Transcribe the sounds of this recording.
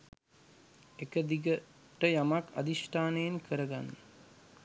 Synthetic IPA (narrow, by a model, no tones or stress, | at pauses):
ekəd̪iɡə | ʈəjamaka̰d̪iʃʈʰaːnəjenkʰəɾəɡanːə